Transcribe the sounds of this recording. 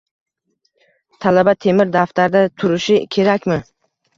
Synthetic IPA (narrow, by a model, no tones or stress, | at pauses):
t̪ʰalabat̪ʰe̞mɪɾd̪aft̪ʰaɾd̪at̪ʰʊɾɪʃɪkʲʰe̞ɾakʲmɪ